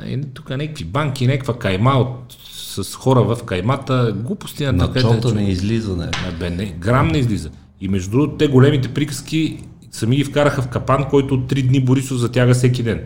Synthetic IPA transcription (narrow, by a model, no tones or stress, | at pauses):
ɛ̰nɛt̪ukənʲɛkə̥kvibaŋkʲinʲɛkkvəkɐjmaot̪ | sɐsxɔɾəvɐfkɐjmat̪əɡlˠupʊ̥st̪innɐkɛɔt̪nɛizlizənɛ̰ɐbɛnɛɡɾamnɛizlizə | imɛʒd̪ɾut̪ːɛɡolɛmit̪ɛpɾikə̥skʲi | sɐmiɡifkaɾəxɐfkɐpankɔjt̪oːt̪ːɾid̪niboɾisofzɐt̪ʲjaɡəsɛk̬id̪ɛn